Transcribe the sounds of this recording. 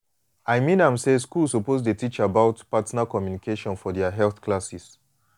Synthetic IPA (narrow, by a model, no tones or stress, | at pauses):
ajmĩnãmseskulsopozdətit͡ʃəabaʊtpatnakɔmjunikʰeʃɔ̃nfɔdɛaɦɛlθklasis